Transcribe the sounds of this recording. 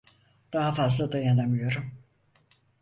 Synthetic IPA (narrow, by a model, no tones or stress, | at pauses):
d̪̥aɦafazlˠad̪ajanamɯjo̞ɾum